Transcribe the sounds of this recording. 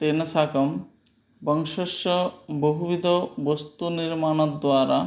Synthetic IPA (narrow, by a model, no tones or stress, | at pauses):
t̪enɐsʰakɐm | bɔŋʃɔʃɔboɦubid̪ʱobost̪uniɾmanod̪waːɾa